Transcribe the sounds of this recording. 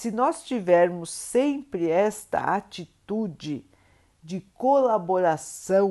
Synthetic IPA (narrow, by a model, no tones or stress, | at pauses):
sɪnɔst͡ʃivɛɾmʊsːẽpɾɪɛst̪ɐ̰a̰t͡ʃit̪ud͡ʒɪ | d͡ʒɪkolaboɾasɐ̃w̃